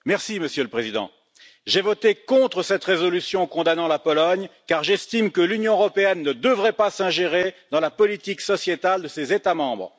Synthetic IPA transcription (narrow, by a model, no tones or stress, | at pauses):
mɛʁsiməsjøləpχezid̪ɑ̰̃ | ʒɛvɔt̪ekɔ̃t̪χəsɛt̪ʁezɔlysjɔ̃kɔ̃d̪anɑ̃lapɔlɔɲkaʁʒɛst̪imkəlynjɔ̃əʁɔpeɛnːəd̪əvʁɛpasɛ̃ʒeʁed̪ɑ̃lapɔlit̪iksɔsjet̪ald̪əsezet̪amɑ̃bʁ